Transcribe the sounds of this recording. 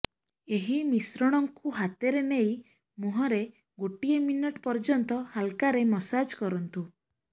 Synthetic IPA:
eɦimisɾɔɽ̃ɔŋkuɦat̪eɾenej | muɦɔɾe | ɡoʈieminɔʈpɔɾd͡ʒɔnt̪ɔhalkaɾemɔsad͡ʒkɔɾɔnt̪u

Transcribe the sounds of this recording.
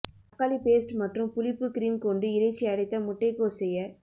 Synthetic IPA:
ɐkaːlipeːsʈmɐʈrɯmpʊlɪpːɯkɪɾiːmkɔɳɖɯɪɾɐɪt͡ʃːiɐɽɐɪt̪ːɐmʊʈːɐɪkːoːsɛjːɐ

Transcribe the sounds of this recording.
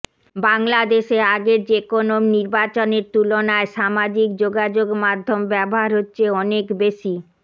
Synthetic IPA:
baŋlad̪eʃeaɡeɾd͡ʑekononiɾbat͡ɕoneɾt̪ulonaeʃamad͡ʑik̚d͡ʑoɡad͡ʑoɡmad̪ʱːombɛboɦaɾɦotːɕʰeɔnekbeʃi

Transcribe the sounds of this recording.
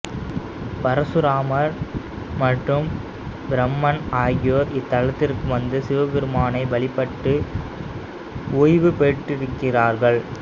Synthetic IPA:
pɐɾɐsɯɾaːmɐɾ | mɐʈːrɯm | bɪɾɐmːɐnaːɣɪjoːɾɪt̪ːɐlɐt̪ːɪrkɯʋɐnd̪ɯsɪʋɐpɪɾɯmaːnɐɪʋɐɭɪpːɐʈːɯ | uːjʋɯpeʈːɪɾɯkːɪraːɾɣɐɭ

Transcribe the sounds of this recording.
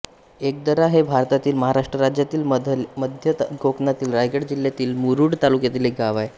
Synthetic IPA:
ek̚d̪əɾaɦebʱaɾt̪at̪iːlməɦaɾaʂʈɾəɾad͡ʑjat̪iːlməd̪ʱjəɡʱoknat̪iːlɾajɡəɽd͡ʑilːjat̪iːlmuɾuːɽt̪alukjat̪iːlek̚ɡaʋae

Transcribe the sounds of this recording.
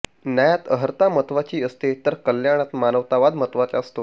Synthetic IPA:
njajat̪əɦəɾt̪amət̪ʋat͡ɕiːəst̪et̪əɾkəljaɽ̃at̪manəʋt̪aʋad̪mət̪ʋat͡ɕast̪o

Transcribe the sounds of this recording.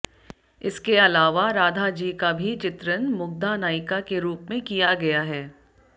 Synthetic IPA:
ɪskeɐlaːʋaɾaːd̪ʱad͡ʒiːkabʱit͡ʃɪt̪ɾənmʊɡ̚d̪anaːɪkakeɾuːpmẽkijaɡɐjaɦɛː

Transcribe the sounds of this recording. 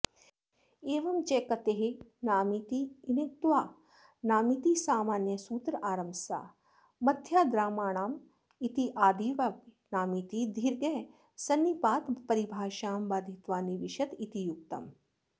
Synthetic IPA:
eːʋɐmt͡ʃeːkɐt̪eɦenaːmit̪iinek̚t̪ʋaː | naːmit̪isaːmaːnjɐsuːt̪ɾɐʔaːɾɐmsa̰ː | mɐd̪ʱjaːd̪ɾaːmaːɳaːm | it̪iʔaːd̪iːʋɐɡ̚ | naːmit̪id̪ʱiɾɡẽː | sɐnːipaːt̪pɐɾibʱaːʃaːmbaːd̪ʱit̪ʋaːniʋiʃɐt̪it̪ijuk̚t̪ɐ̰m

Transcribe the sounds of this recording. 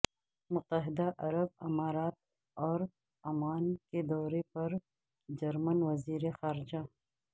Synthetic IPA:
mʊt̪ːɐɦɪd̪aʔɐɾɐb̚ɪ̰maːɾaːt̪̚ | ɔːɾ | ɐmaːnked̪ɔːɾepɐɾ | d͡ʒɐɾmɐənwɐziːɾexaːɾɪd͡ʒa

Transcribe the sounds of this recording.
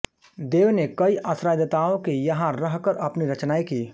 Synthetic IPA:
d̪eːʋnekɐiʔaːsɾaːd̪ət̪aːõkejɐɦãɾɐɦkəɾɐpniɾɐt͡ʃnaːikiː

